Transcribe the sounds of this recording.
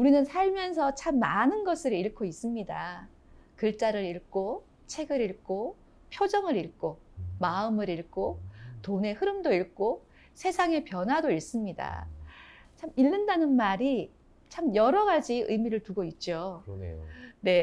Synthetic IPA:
uɾinɯnsʰaɭmjʌns̬ʰʌt͡ɕʰamːanɯnɡʌsʰɯɾiɭkʰois͈ɯmɲida | kɯɭt͡ɕ͈aɾɯɾiɭk͈o | t͡ɕʰe̞ɡɯɾiɭk͈o | pʰjod͡ʑʌŋɯɾiɭk͈o | maɯmɯɾiɭk͈otone̞hɯɾɯmdoiɭk͈o | sʰe̞sʰaŋe̞pjʌnɦwadoiɭs͈ɯmɲida̰ | t͡ɕʰamiɭːɯndanɯnmaɾi | t͡ɕʰamjʌɾʌɡad͡ʑiɯjmiɾɯɭtuɡoit̚t͡ɕ͈o̰ | ne̞

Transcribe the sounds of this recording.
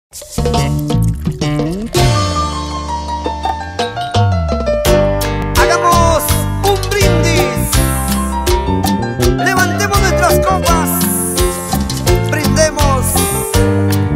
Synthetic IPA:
aɣamʊsumbɾind̪ɪ | leβant̪emʊzẽnt̪ɾaskɔpas | pɾend̪emʊs

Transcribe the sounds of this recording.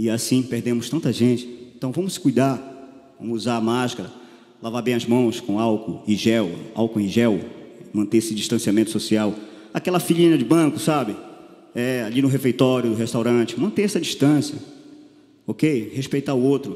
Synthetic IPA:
ɪasĩpeɾd̪ẽmʊst̪ɐ̃nt̪ɐʒẽt͡ʃɪ̥ẽt̪ɐ̃w̃vɐ̃mʊssɪ̥kujd̪avɐ̰̃mʊuzaamaʃkɐɾɐ | lavaɾbẽj̃ɐzmɐ̃w̃skõawkʊĩʒɛwa̰wkʊĩʒɛwmɐ̃nt̪eesɪd͡ʒiʃt̪ɐ̃siamẽnt̪ʊ̥sosiaw | akɛlɐfiʎĩnɐd͡ʒɪbɐ̃kʊsabɪ | ɛalinʊɦefejt̪ɔɾjʊd̪ʊɦeʃt̪awɾɐ̃t͡ʃɪ̥mɐ̃nt̪eɛsɐd͡ʒiʃt̪ɐ̃siɐ | okejheʃpejt̪aʊowt̪ɾʊ

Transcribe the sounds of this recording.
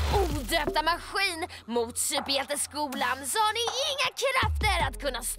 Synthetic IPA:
uːd̪øːp̚t̪amaɧiːn | mʊt̪sʏpɛt̪əskuːlansɔhaɳɪɪŋːakʰɾaft̪əɾat̪kʰɵnːas

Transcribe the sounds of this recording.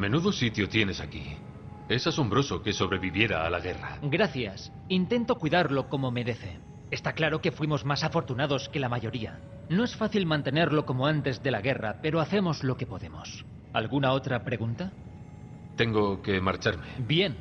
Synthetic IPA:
me̞nuðo̞sit̪jot̪je̞ne̞saki | e̞saso̞mbɾo̞so̞ke̞so̞βɾe̞βiβje̞ɾaːlaɣe̞raɡɾaθjas | int̪e̞nt̪o̞kwiðaɾlo̞ko̞mo̞me̞ðeθe̞ | est̪aklaɾo̞ke̞fwimo̞zmasafo̞ɾt̪unaðo̞ske̞lamaʝo̞ɾia̰ | no̞e̞sfaθilmãnt̪e̞ne̞ɾlo̞ko̞moant̪e̞zðe̞laɣ̞e̞ra̰pe̞ɾoaθe̞mo̞zlo̞ke̞po̞ðe̞mo̞s | alɣunao̞t̪ɾapɾe̞ɣunt̪a | t̪e̞ŋɡo̞ke̞maɾt͡ʃaɾme̞bje̞n

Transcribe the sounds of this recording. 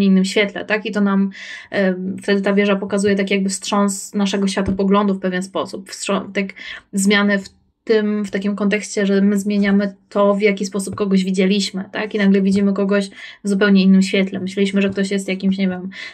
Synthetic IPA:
ɲɛinːɘmɕfʲjɛt̪lɛ̰t̪akit̪ɔnam | ft̪ɛd̪ɘt̪avʲjɛʐapɔkazujɛt̪̬akʲjaɡ̚bɘfstʂɔ̃nsnaʂɛɡɔɕfʲat̪ɔpɔɡlɔnd̪ufpɛvʲjɛnspɔsupfstʂɔt̪akzmʲjanɛf | tt̪ɘmft̪akʲimkɔnt̪̬ɛkɕt͡ɕɛʐɛmɘzmʲjeɲamɘt̪ʰɔvjakʲispɔsup̚kɔɡɔʑvʲid͡ʑɛlʲiɕmɘt̪akinaɡlɛvʲid͡ʑimɘkɔɡɔɕvzupɛwɲɛinːɘmɕfʲjɛt̪lɛmɘɕlɛiɕmɘʐɛkt̪ɔɕjɛst̪jakʲimɕɲevʲjɛm

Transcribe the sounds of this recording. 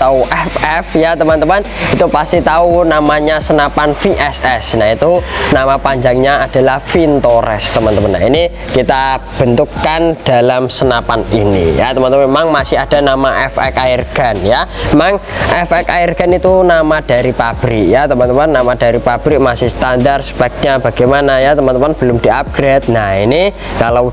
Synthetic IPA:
at̪auʔɛfɛfjat̪əmant̪əmanit̪upast̪it̪aunamaɲasənapanfiʔɛsɛsnait̪unamapaɲd͡ʒaŋɲaad̥a̤lahfint̪oɾɛ̰st̪əmant̪əmanːa̰ini | kit̪ab̥ə̤nt̪ukːand̥a̤lamsənapaninḭja̰t̪əmant̪əmanemaŋmasɪhad̥a̤namaʔɛfɛ̰kairɡ̥a̤njaemaŋɛfɛkairɡ̥a̤nit̪unamad̥aɾipab̥ɾiʔjat̪əmant̪əmanːamad̥a̤ɾipab̥ɾiʔmasɪhst̪andarsə̥pɛk̚t̪̚ɲaba̤ɡ̥amanajat̪əmant̪əmanb̥əlʊmd̥̪iʔap̚ɡ̥ɾet̪̚naini | kala

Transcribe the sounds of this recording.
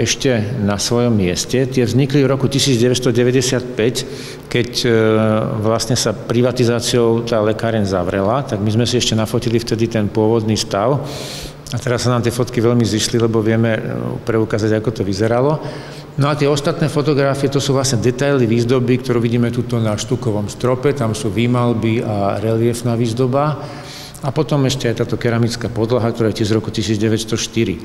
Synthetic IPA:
ɛʃcɛnasʋɔjɔmːɪɛscɛt̪ɪɛvzɲiklivɾɔkucisiːd͡zɟɛʋɛst̪ɔɟɛʋɛɟɛsɪat̪̚pɛc | kɛc | ʋlasɲɛsapɾiʋat̪izaːt͡siɔʊt̪aːlɛkaːɾɛɲza̰ʋɾɛlat̪aɡmizmɛsiɛʃcɛnafɔcilift̪ɛd̪it̪ɛnpʊɔʋɔd̪niːst̪aʊ | at̪ɛɾasːanaːmt̪ɪɛfɔt̪kiʋɛʎmiziʃlilɛbɔʋɪɛmɛpɾɛukaːzaɟakɔt̪ɔʋizɛɾalɔ | nɔat̪ɪɛɔst̪at̪nɛːfɔt̪ɔɡɾafiɛt̪ɔsuːʋlasɲɛd̪ɛt̪ajliʋiːzd̪ɔbikt̪ɔɾuːʋiɟiːmɛt̪uːt̪ɔnaʃt̪ukɔʋɔmst̪ɾɔpɛt̪amsuːʋimalbiaɾɛlɪɛfnaːʋiːzd̪ɔba | apɔt̪ɔmɛʃcɛajt̪aːt̪ɔkɛɾamit͡skaːpɔd̪laɦakt̪ɔɾaːjɛt̪izɾɔkut̪isiːd͡zɟɛʋɛt̪st̪ɔʃt̪iɾḭ

